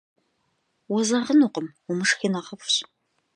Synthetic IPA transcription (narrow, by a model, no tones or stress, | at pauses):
wɔzɐʁənuqəmumɨʂxinɐʁɐpɕ